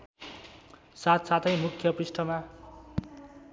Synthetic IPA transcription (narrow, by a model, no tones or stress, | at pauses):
sat̪sat̪ʰʌjmukʰjʌprisʈʰʌma